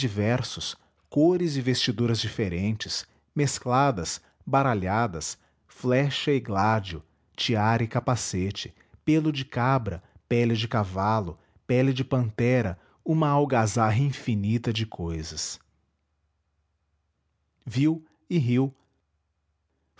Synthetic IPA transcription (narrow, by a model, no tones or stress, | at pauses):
d͡ʒivɛɾsʊs | koɾɪzɪvest͡ʃid̪uɾɐzd͡ʒifeɾẽnt͡ʃɪs | mesklad̪ɐs | baɾaʎad̪ɐs | flɛʃɐɪɡlad͡ʒiʊ | t͡ʃiaɾɪkapaset͡ʃɪ̥ | pelʊd͡ʒɪkabɾɐpɛlɪd͡ʒɪkavalʊ | pɛlɪd͡ʒɪpɐ̃nt̪ɛɾɐ | ũmɐawɡazaɦɐĩfinit̪ɐd͡ʒɪkʰojzɐs | viw | ɪɦiw